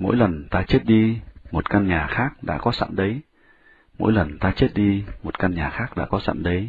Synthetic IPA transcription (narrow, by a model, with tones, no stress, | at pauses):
mo̰˧˥jlə˨˩nt̪aː˧t͡ɕe˦˥t̚ɗi˧mo˨˩t̚ka˧nɲaː˨˩xaː˦˥k̚ɗa̰ː˧˥kɔ˨˦sa̰˧˨nɗə˨˦j | mo̰˧˥jlə˨˩nt̪aː˧t͡ɕe˦˥t̚ɗi˧mo˨˩t̚ka˧nɲaː˨˩xaː˦˥k̚ɗa̰ː˧˥kɔ˨˦sa̰˧˨nɗə˨˦j